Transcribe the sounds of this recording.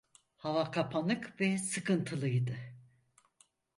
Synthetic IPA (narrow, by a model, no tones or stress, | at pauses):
havakʰapʰanɯkvɛsɯkʰɯnt̪ʰɯlˠɯjd̪ɯ